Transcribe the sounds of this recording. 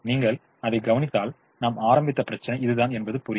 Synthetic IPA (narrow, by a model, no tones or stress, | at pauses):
niːŋɡɐɭ | ɐðɐɪɡɐʋɐnɪt̪ːaːl | naːmaːɾɐmbɪt̪ːɐpɪɾɐt͡ʃːɐnɐɪɪðɯðaːnɛnbɐðɯpʊɾɪ